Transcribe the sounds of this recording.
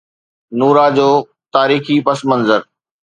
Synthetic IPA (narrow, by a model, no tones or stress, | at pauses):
nuːɾaːd͡ʑoː | t̪aːɾiːxipɐsmɐ̃nzəɾ